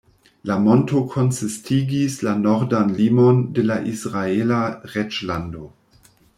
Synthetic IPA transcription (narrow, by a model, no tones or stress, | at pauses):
lamontokʰonsistʰiɡislanoɾdanlimondelaʔisʁaelaʁet͡ʃlando